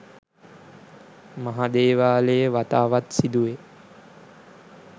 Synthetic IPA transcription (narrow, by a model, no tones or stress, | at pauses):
maɦad̪eːʋaːlejəʋat̪aːʋat̪sid̪uʋe